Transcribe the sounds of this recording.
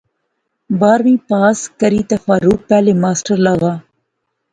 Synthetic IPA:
baːɾmĩːpaːskəɾiːt̪ɐfaːɾuk̚pɛːlemaːsʈəɾlaːʋaː

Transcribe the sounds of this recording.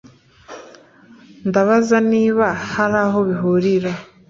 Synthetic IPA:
ndaβazaniːβahaɾaːɦoβiɦoɾiɾa

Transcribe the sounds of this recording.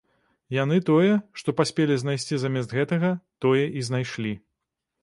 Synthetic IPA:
jan̪ɨt̪ɔjɛʂt̪ɔpasʲpʲelʲiznajsʲt͡sʲizamʲɛsd̪ɣɛt̪ɐɣɐt̪ɔjɛʔiznajʂlʲi

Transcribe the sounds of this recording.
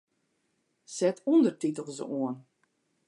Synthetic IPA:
sɛtʰundərtitəlˠzə̰uən

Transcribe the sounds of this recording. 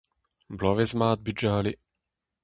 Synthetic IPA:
blɔvezmaːt̪̚byd͡ʒʒaːle

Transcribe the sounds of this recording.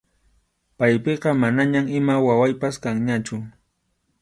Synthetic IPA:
pajpeqɑmanaɲamɪmawawajpaskaŋɲat͡ʃʊ

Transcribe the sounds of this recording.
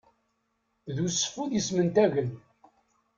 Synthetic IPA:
ðusə̥fuðjismənt̪æʝən

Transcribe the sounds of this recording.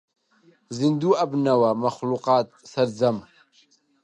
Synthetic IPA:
zind̪uːabnawamaxluqɑːt̪̚sɐɾd͡zam

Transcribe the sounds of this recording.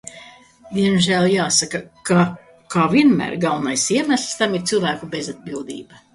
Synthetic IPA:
d̪iɛmʒæːlˠjaːsakaka | kaːviɛnmæ̰ːɾɡalˠnajsiɛmæsʲlʲˠst̪amiɾt̪silˠvæːkubezad̪̚bilˠd̪ḭːba

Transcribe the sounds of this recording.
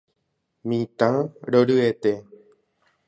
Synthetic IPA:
mĩt̪ãɾoɾɨet̪e

